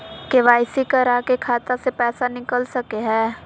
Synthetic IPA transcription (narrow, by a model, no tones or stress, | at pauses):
keʋaːɪsikəɾaːkekʰaːt̪asepɛːsanɪkəlsɐkeɦɛː